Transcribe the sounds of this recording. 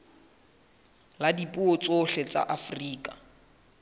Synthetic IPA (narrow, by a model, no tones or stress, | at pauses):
ladipʼuot͡sʼoɬɛt͡sʼa̰ʔafriːkʼa